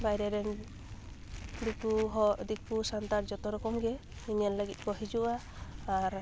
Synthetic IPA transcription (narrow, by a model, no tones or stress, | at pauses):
bajɾɛɾɛn | dikuɦɔd̪ikusant̪aɾd͡ʒɔt̪ɔɾɔkɔmɡɛ | iɲalləɡit̪̚ˀkɔɦid͡ʒuʔaː | ɾ